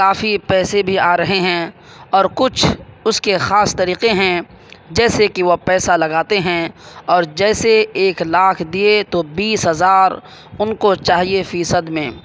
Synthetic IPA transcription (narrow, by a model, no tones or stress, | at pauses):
kaːfipɛːsebʱiaːɾɐɦeɦɛ̃ | ɔːɾkʊt͡ʃʰʊskexaːst̪ɐɾiːqeɦɛ̃ | d͡ʒɛːsekiʋopɛːsalɐɡaːt̪eɦɛ̃ɔːɾd͡ʒɛːseeːklaːkʰd̪iet̪obiːsɦɐzaːɾ | ʊnkot͡ʃaːɦiefiːsəd̪mẽː